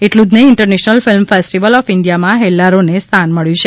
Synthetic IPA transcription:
eʈlũd͡ʒneɪɳʈəɾnɛʃnəlfɪlmfesʈiʋəlɔfɪɳɖijamãɦɛlːaɾonest̪ʰanməɭjũt͡ʃʰe

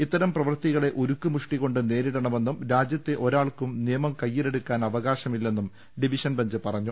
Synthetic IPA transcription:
it̪ːɐɾɐmprɐʋɐrt̪iɣɐɭe̞ʔoɾukːɨmuʂʈiɣo̞ɳɖɨne̞ːɾiɽɐɳɐme̞nːumɾaːd͡ʑjɐt̪ːeʔo̞ɾaːɭkumnijɐmɐmkɐjːile̞ɽukːaːnɐʋɐɣaːɕɐmilːe̞nːum | ɖiʋiɕɐnbɐɲd͡ʑɨpɐrɐɲːu

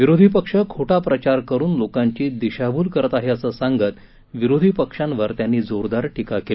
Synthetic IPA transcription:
ʋiɾod̪ʱipəkʂəkʰoʈapɾət͡ɕaɾkəɾuːnlokãɲt͡ɕiːd̪iɕabʱuːlkəɾət̪aɦiəsəsãŋɡət̪ | ʋiɾod̪ʱipəkʂãnʋəɾt̪janːiːd͡zoɾd̪aɾʈikakel

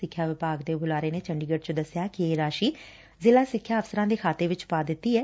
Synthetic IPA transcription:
ɪkʰːjaːʋɪpaːɡd̪eːbʊlaːɾeːneːt͡ʃəɳɖiːɡəʈt͡ʃod̪əsjaːkɪeːɾaːʃiː | zɪlaːsɪkʰːjaːəfsəɾãːd̪eːkʰaːt̪eːʋɪt͡ʃpaːd̪ɪt̪ːiːɛː

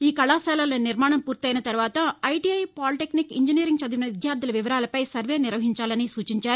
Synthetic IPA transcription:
iːkɐɭaːsɛːlaːloniɾmaːɳɐmpuːɾt̪iɐjnɐt̪ɐɾuʋaːt̪ɐɐjʈiːɐjpaːlʈeknikiɲd͡ʒiniːɾiŋɡ̚t͡ʃɐd̪iinɐʋid̪jaːɾd̪ilɐʋiʋɐɾaːlɐpɐjsɐɾʋe̞ːniɾʋɐɦiɲt͡ʃaːlɐnisuːt͡ʃiɲt͡ʃaːɾu

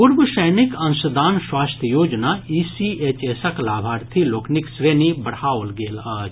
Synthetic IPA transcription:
ʊɾbəʃəjnɪkɐ̃nʃəd̪aːnswaːst̪ʰjəjoːd͡ʒnaiːsieːt͡ʃeːsɐklaːbʱaːɾt̪ʰiloːkʰnɪksɾeːnibɐɽ̤aːolɡeːlaːt͡ʃ

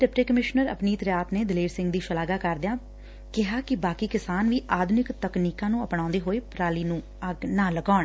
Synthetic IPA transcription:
ʈɪpʈeːkəmɪʃnəɾə̰pniːt̪ɾjaːt̪neːd̪ɪleːɾsɪ̃ŋɡd̪iːʃəlaːɡaːkəɾd̪ɪjãː | kɪɦaːkɪbaːkiːkɪsaːnʋiːʔaːd̪ʱnɪkt̪əkniːkãːnũːəpɳãːnd̪eːɦoːeːpɾaːliːnũː | əɡnãːləɡaːɳ

